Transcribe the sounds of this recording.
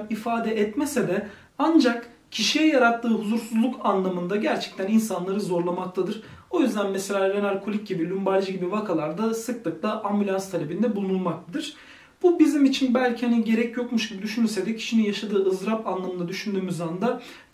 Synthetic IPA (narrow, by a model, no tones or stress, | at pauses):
ifaːd̪ɛʔɛt̪mesɛd̪ɛ | and͡ʒak | cʰiʃijɛjaɾat̪ʰːɯːɦuzuɾsuzlˠukʰanlˠamɯnd̪aɟæɾt͡ʃʰɛ̥c̚t̪ʰæninsanlˠaɾɯzo̞ɾlˠamakt̪ʰad̪ɯɾ̥o̞jyzd̪ænmɛselʲaːɾenalʲkʰolʲic̚ɟibilʲymbalʲd͡ʒɯɟibivakʰalˠaɾd̪asɯklˠɯklˠaʔambylʲanst̪ʰalʲe̞bind̪ɛbulˠunulˠmakt̪ʰad̪ɯɾ̥ | b̥ubizimit͡ʃʰinbælʲcʰihaniɟe̞ɾɛcjo̞kmuʃɟibid̪yʃynyɾsɛd̪ɛcʰi̥ʃinijaʃad̪ɯːɯzɾapanlˠamɯnd̪ad̪yʃynd̪yːmyzand̪a